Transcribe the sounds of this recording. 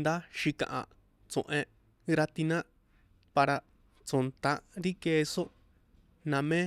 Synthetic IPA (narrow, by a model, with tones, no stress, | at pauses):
nd̪a˦ʃi˧kã̰˨ʔã̰˨ | t͡sõ̰˨ʔẽ˧ | ɾa˧t̪i˧nã˦ | pa˧ɾa˧ | t͡sõ˨nt̪ã˧ɾi˦keː˧so˦ | nã˧mẽ˦